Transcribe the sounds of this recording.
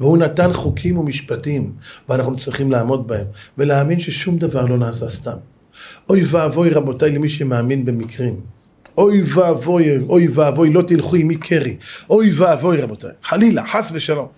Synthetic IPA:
vehunat̪anχukʰimumiʃpatimveanaχnut͡sʁiχimlaːmo̞d̪̚bahe̞mveleaːminʃeʃumd̪avaʁlo̞naːsast̪am | ʔo̞jvaavo̞jʁabo̞tajlemiʃemaːminbemikʁim | ʔo̞jvavojojvaavo̞jlo̞t̪ilχuimikʰeʁiʔojvaaːvo̞jʁabo̞t̪a̰jχalilaħasveʃalo̞m

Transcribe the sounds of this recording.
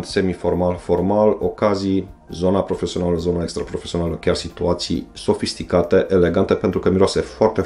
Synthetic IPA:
nd̪se̞mifo̞rmalfo̞rmalo̞̰kazijzo̞napɾo̞fe̞sio̞naləzo̞nae̞kst̪ɾapɾo̞fesio̞naləkʲarsit̪uat̪sḭjso̞fist̪ikat̪e̞ʔele̞ɡant̪e̞pe̞nt̪ɾukəmiɾoasefoart̪e

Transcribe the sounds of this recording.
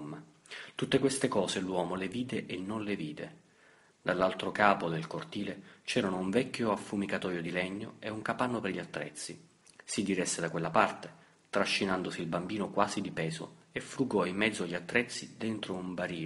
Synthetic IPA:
mːa | t̪ut̪ːekwest̪ekɔːzelwɔːmoleviːd̪eʔenːonleviːd̪ḛ | d̪alːalt̪ɾokaːpod̪elkort̪iːlet͡ʃɛːɾanouɱvɛkːoafːumikat̪ɔːjod̪ilɛɲːoeuŋkapanːoperʎiat̪ːɾɛ̰t̪sːi | sid̪iɾɛsːed̪akwelːapart̪e | t̪ɾaʃːinand̪osiːlbambiːnokwaːzid̪ipɛːzo̰efɾuɡɔimːɛd̪zːoaʎːiat̪ːɾɛt̪sːid̪ent̪ɾoumbaɾiː

